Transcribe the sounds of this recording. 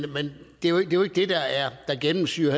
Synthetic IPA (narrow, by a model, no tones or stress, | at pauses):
mend̥e̝oeɡ̥̚d̥e̝joe̝ɡ̥əd̥e̝d̥ɑ̈æɐd̥ɑ̈ɡ̥enm̩syɐh